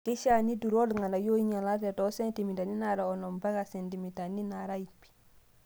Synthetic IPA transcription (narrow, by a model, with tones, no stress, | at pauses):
ki˦ʃa˨ni˦du˨ɾo˦lŋa˨na˨jo˦iɲa˨la˦te˨to˦se˦nti˨mi˨ta˨ni˦naɾaɔ˨nɔ˨mba˦ɡase˨ntimi˨ta˨ni˦naɾa˦ipi̥˨